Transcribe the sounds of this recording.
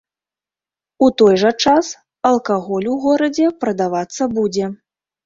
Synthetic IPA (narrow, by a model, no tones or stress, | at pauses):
ut̪ɔjʐɐt͡ʂas | ɐlˠkaɣɔlʲuɣɔɾɐd͡zʲɛpɾɐd̪avat̪sːɐbud͡zʲɛ